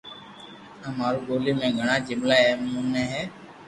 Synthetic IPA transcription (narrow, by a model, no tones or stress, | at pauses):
ãːmaːɾuːɠoːliːmẽːɡʱəɳãːd͡ʒɪmlaːɦɛːmũːnɛ̃ːɦɛː